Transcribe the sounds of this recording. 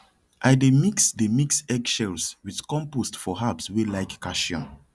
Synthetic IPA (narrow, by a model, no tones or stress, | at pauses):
ʔajdemiksdemiksɛɡʃɛlswiðkɔ̃mpostfɔɦabswelaɪkːaʃiɔ̰̃n